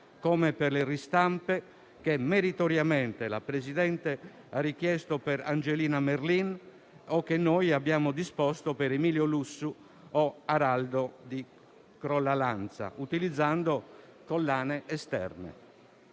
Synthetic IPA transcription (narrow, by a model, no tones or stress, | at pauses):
komeperlerist̪ampe | kemeɾit̪oɾjamɛnt̪ela̰pɾesid̪ɛnt̪e | arik̟jɛst̪opɛɾa̰nd͡ʒeliːnameɾlin | okːenːojabːjaːmod̪ispɔst̪opeɾemiːljolusːu | ɔaɾald̪od̪i | kɾɔlːalant̪sa̰ʔut̪ilid̪zːand̪o | kolːaːneʔɛst̪ɛ̰rnḛ